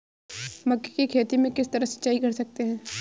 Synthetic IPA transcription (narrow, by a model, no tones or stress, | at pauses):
mɐkːekikʰeːt̪imẽkɪst̪ɐɾəɦsɐ̥tːʃaːikɐɾsɐk̚t̪eɦɛ̃ː